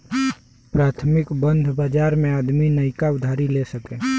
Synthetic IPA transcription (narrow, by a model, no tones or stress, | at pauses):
pɾat̪ʰmɪkbənd̪ʱbad͡ʒaɾmẽad̪minəɪkaud̪ʱaɾilesəkẽ